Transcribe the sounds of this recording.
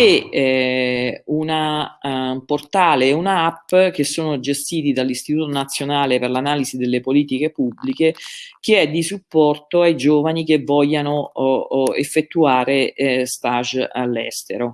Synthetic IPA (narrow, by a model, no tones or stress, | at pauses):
e | una | port̪aːleunaapːk̟esːoːnod͡ʒest̪iːt̪id̪alːist̪it̪uːt̪onat̪sːjonaːleperlanaːlizid̪elːepoliːt̪ikepubːlikek̟eɛd̪ːisupːɔrt̪oajd͡ʒoːvanik̟evːɔʎːano | ḛfːet̪ːuaːɾest̪aʒalːɛ̰st̪eɾo